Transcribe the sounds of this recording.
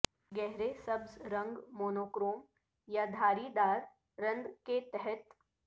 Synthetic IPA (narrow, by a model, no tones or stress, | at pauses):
ɡɛɦɾesɐbzɾə̃ŋɡmoːnoːkɾoːm | jad̪ʱaːɾid̪aːɾ | ɾɐ̃nd̪ket̪ɛɦɛt̪